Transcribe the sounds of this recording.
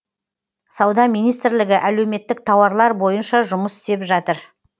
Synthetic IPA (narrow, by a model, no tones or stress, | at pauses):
sɑwd̪ɑmijnijst̪ɪɾlɪɡʲɪʔæle̞wme̞t̪ːɪk̚t̪ʰɑwɑɾlˠɑɾbo̞jənʃɑʒʊməsɪ̥st̪e̞pʒɑt̪əɾ